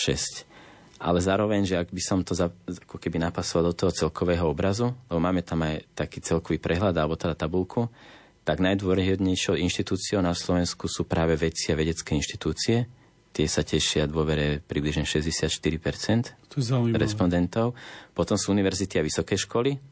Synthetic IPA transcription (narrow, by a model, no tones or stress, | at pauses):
ʃɛ̰sc | ʔa̰lɛzaːɾɔʋɛɲʒɛaɡbisɔmt̪ɔzaakɔkɛbinapasɔʋalˠd̪ɔt̪ɔɦɔt͡sɛlkɔʋɛːɦɔɔbɾazulɛbɔmaːmɛt̪amajt̪akiːt͡sɛlkɔʋiːpɾʔɛɦlad̪alɛbɔt̪ɛd̪at̪abulkʰu | t̪aɡnajd̪ʊʋɔɾɛɛd̪ɲɛjʃɪɔʊinʃt̪it̪uːt͡siɔʊnaslɔʋɛnskusuːpɾaːʋɛʋɛt͡siaʋɛɟɛt͡skɛinʃt̪i̥t̪uːt͡siɛ | t̪ɪɛsacɛʃɪad̪ʊɔʋɛɾɛpɾibliʒɲɛʃɛzɟɛsɪat̪ʃt̪iɾipɛɾt͡sɛnt̪t̪zauiɾɛspɔnd̪ɛnt̪ɔʊpɔt̪ɔmsuːuniʋɛɾzit̪iaʋisɔkɛjʃkɔli